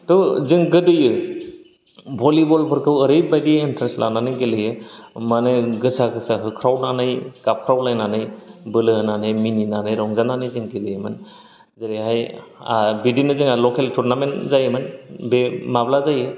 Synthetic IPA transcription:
tɔzɯŋɡɯdɯjɯ | bʱɔlibɔlpʰɯɾkʰɯwəɾɯjbajdientʰɾesla̰nanɯjɡelɯjɯmanɯɡɯsʰakʰɯsaɦɯkʰɾawnanajkap̚kʰɾawlajnanɯjbɯlɯnanɯjmininanɯjɾɔŋzananɯjzɯŋɡelɯjmɯn | zəɾiɦaja̰bidinɯzɯŋalɔkʰeltʰuɾnamenzajɯmɯnbemablazajɯ

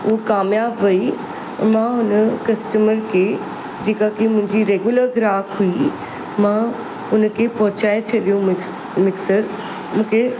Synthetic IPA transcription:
ʊɦokaːmjaːbʋɐi | mãɦʊnəkɐsʈəməɾkʰeː | d͡ʑeːkakemʊ̃ɦɪ̃ɲd͡ʑiɾeːɡjʊləɾɡɾaːkɦui | mã | ʊnkʰepɐɦʊt͡ɕaːet͡ɕʰɐɗijũ | mɪksəɾ | mũːkʰe

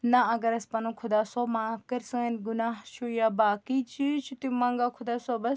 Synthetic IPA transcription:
nɐɐɡɐɾɐspɐnũkʰʊd̪aːsoːmaːfkɐɾsɐŋɐnɡunaːɦt͡ʃʰujaːbaːkit͡ʃʰit͡ʃʰut̪imɐŋɡakʰʊd̪aːsoːbɐs

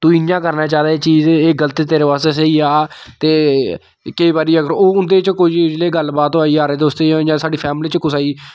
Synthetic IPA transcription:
t̪ũːɪjãːkəɾnaːt͡ʃaːd̪aːt͡ʃiːzeːɡələt̪iːt̪eːɾeːʋaːseːseiːaːt̪eː | kəiːbaːɾiːəɡəɾoːʊnd̪eːt͡ʃkʊd͡ʒd͡ʒleːɡəlbaːt̪oaːiːaːɾeːd̪oːst̪eːjãːd͡ʒãːsaːɖiːpʰɛːmliːt͡ʃkʊsaːiː

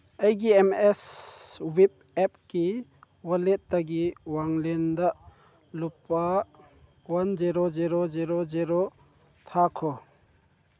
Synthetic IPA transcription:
ajɡiemeswip̚ɛp̚ki | wɐlet̚daɡiwaŋlendaʔ | lupːa | wɐnd͡ʒiɾoziɾoziɾoziɾo | tʰakʰɔ

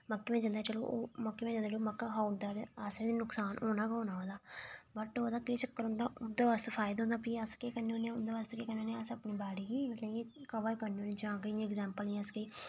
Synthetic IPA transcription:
məkːeːmɛ̃ːd͡ʒãnd̪aːt͡ʃəlo̰ːʔoːməkːeːmɛ̃d͡ʒãːnd̪at͡ʃoːməkːaɦaːnd̪aːd̪eəsẽd̪iːnʊksaːnʔoːnaːkoːnaːoːd̪aːbəʈoːd̪aːkeːt͡ʃəkːəɾɦʊ̃ːnd̪aːʊnd̪eːʋaːst̪efʰaːɪd̪ɦʊ̃nd̪aːpiːəskeːkəneõːnẽʊnd̪eːʋaːst̪ːkeːkənːeːnẽːəsəpniːbaːɽiːkiːmt̪lẽːeːkəʋaːikəɾneːoːniːd͡ʒãːkə̃ɛɡzɛːmpəlnĩəskəː

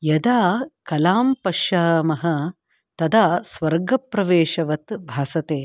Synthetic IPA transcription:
jɐd̪aːkɐlaːmpɐʃjaːmɐɦɐ̆ | t̪ɐd̪aːsʋɐɾɡɐpɾɐʋeːʃɐʋɐt̪bʱaːsɐt̪eː

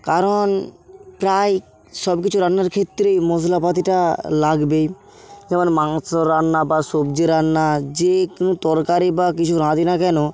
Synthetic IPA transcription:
kaɾonpɾaj | ʃɔbkit͡ɕʰuɾanːaɾkʰet̪ːɾejmoslapat̪̬iʈalaɡbe | d͡ʑɛmonmaŋsoɾanːabaʃobd͡ʑeɾanːad͡ʑekunut̪ɔɾkaɾibakit͡ɕʰuɾãd̪inakɛno

